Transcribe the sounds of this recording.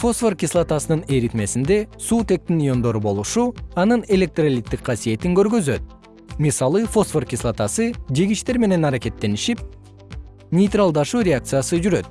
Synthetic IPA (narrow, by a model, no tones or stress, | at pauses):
fo̞sforkʲislˠat̪asɯnɯne̞ɾit̪me̞sind̪e̞suːt̪e̞k̚t̪injo̞nd̪o̞ɾubo̞lˠuʃuɑnɯne̞lʲe̞k̚t̪ralʲit̪ːikqʰɑsije̞t̪iŋɡø̞ɾɡø̞zø̞t̪̚ | misɑlˠɯfo̞sforkʲislˠat̪asɯd͡ʒeɡiʃt̪e̞ɾme̞ne̞nɑɾake̞t̪ːe̞niʃip̚ | nʲejt̪ralˠd̪ɑʃuːɾʲeakt̪sɨjasɯd͡ʒyɾø̞t̪̚